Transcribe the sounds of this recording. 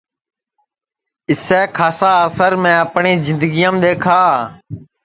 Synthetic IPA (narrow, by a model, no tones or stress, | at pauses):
ɪsɛːkʰaːsaːəsəɾmẽːəpɳeːzɪ̃nd̪əɡijəmɗ̪eːkʰaː